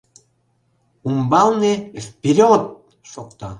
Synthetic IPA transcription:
umbɑlˠnefpʲiɾʲot̪̚ | ʃok̚t̪ɑ̰

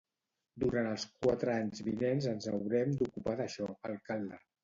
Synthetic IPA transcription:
d̪uɾanəlˠskwat̪ɾəaɲzβinenzənzəwɾɛmd̪ukupaðəʃɔəlˠkalˠd̪ə

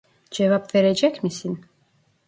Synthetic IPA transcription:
d͡ʒɛvapvɛɾɛd͡ʒɛkʲmisin

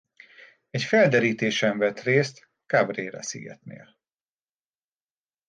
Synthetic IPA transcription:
ɛcfɛld̪ɛɾiːt̪eːʃɛɱvɛt̪reːst̪ | kabreːɾɛ̰sḭɡɛ̰t̪nḛːl

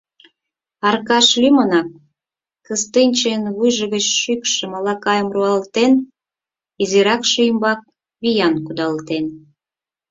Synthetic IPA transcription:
ɑrkɑʃlʲymonɑk̚ː | əst̪ɨnʲt͡ɕenβujʒə̆ɣət͡ɕʃykʃə̆mɑlɑkɑjəmruɑlt̪en | iziɾɑkʃiəmbɑk̚ | βijɑnkud̪ɑlt̪en

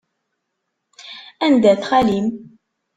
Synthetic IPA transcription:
ænd̪æθχælim

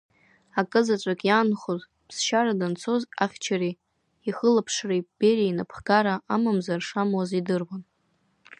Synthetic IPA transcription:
akʼɨzat͡ʃʷʼakʼjanχoz | pʰsʃaɾadɨnt͡sʰo̞za̰χʲt͡ʃʰari | iχəlapʰʂrab̥eɾiinapʰɡ̥aɾaʔamamzarʂamwazidɨrwan

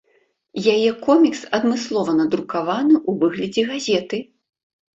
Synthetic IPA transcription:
jajɛkɔmʲiksɐd̪mɨslˠɔvɐnɐd̪ɾukavanɨʔuvɨɣlʲɐd͡zʲɛɣazʲɛt̪ɨ

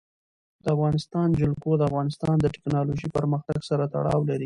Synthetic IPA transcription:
d̪̥əafɣɑnɪst̪ɑnd͡ʒʊlkod̪əafɣɑnɪst̪ɑnd̪əʈɪ̥knɑloʒipəɾməxt̪aɡsaɾat̪a̰ɽɑ̰wlaɾi

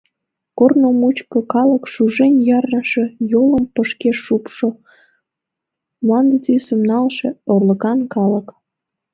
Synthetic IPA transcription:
kornomut͡ɕkokɑləkʃuʒenjɑrnəʃe̽joləmpəʃkeʃːupʃo | mlɑnd̪et̪ysəmnɑlʃeorləkɑnkɑlək

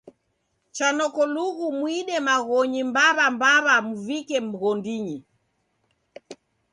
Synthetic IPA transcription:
t͡ʃanɔkɔluɣumwiɗɛmaɣɔɲimbaβambaβamuvikɛm̩ɣɔndiɲi

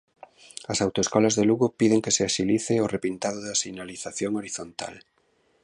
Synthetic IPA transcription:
ɐsawt̪oeskɔlazðeluɣopiðeŋkeseasiliθeorepint̪aðoðasinaliθaθjoŋoɾiθont̪a̰l

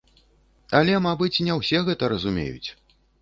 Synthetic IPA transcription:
ɐlʲɛmabɨt͡sʲnʲɛwsʲɛɣɛt̪ɐɾɐzumʲḛjṵt͡sʲ

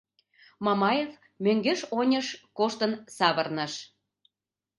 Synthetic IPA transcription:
mɑmɑjef | møŋɡeʃonʲəʃkoʃt̪ənsɑβərnə̆ʃ

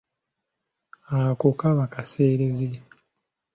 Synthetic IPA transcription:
akokaβakase̞ːɾeze

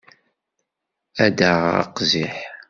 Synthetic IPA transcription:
æd̪əʁɑ̰qziħ

